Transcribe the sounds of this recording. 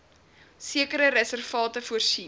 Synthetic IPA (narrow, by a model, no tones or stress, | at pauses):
siəkəɾəɾæsərfɑːtəfuərsi